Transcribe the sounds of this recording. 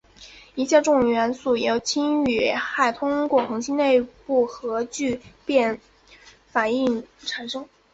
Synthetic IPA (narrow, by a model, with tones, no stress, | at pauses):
i˧˥ɕʰjɛ˥˧ʈ͡ʂʊ˥˩ŋɥɛ˧˥nsu˥˩jɛ˧˥jo˨˩ʊt͡ɕʰi˥ŋy˨˩xa˥˩ɪt̪ʰʊ˥ŋkwɔ˥˩xɤ˧˥ŋɕi˥ne˥˧ɪpu˥˩xɤ˧˥t͡ɕy˥˧pjɛ˥˩n | fa˨˩ni˥˩ŋʈ͡ʂʰa˨˩nʂɤ˥ŋ